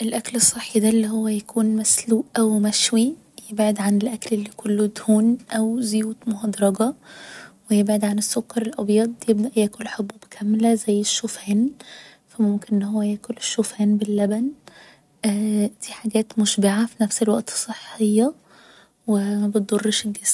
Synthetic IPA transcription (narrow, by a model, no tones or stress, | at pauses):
ʔelʔæklesˤːeħːid̪ælːiːhowːæjækʰuːnmæsluːʔʔæwmæʃwi | jebʕed̪ʕanelʔæklelːiːkolːod̪huːnʔæwzjuːt̪mohɑd̪ɾˤɑɡɑ | wejebʕed̪ʕanesːokːɑɾˤelʔɑbjɑːd̪ˤjeb̚d̪æʔjæːkolːħobːubkʰæmlæzæjːeʃːofæːn | fæmomkenʔenːhowːæjæːkoleʃːoːfæːnbelːæbæn | ʔd̪̥iːħaɡæːt̪moʃbeʕafinæfselwæ̰ʔt̪sˤːeħːejːɑ | wemæbet̪̚d̪ˤorˤːeʃeɡesm